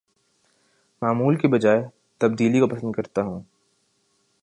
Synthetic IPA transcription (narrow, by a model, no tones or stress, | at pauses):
maːmuːlkibɐd͡ʒaːe | t̪ɐb̚d̪iːlikopɐsə̃nd̪kɐɾt̪aɦũː